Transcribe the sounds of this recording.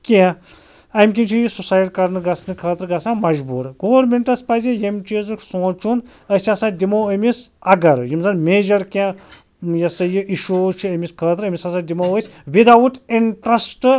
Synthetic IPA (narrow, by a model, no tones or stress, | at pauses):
kʲã | ɐjmʲkʲint͡ʃʰijisusajɐʈʲkɐɾnɨɡɐsnɨkʰɐlɐt̪ɾɡɐsãmɐʒbuɾɡoʋɐɾmeɳʈɐspɐzijɐmʲt͡ʃezɨksõːt͡ʃun | ɐsʲasad̪imoːɐmisɐɡɐɾjimzɐnmeːd͡ʒɐɾkʲã | jɐsɐjiʔiʃut͡ʃʰiɐmʲiskʰɐlɐt̪ɾɐmʲisɐsad̪ʲimoəsʲʋid̪awutʰiɳʈɾɐsʈɨ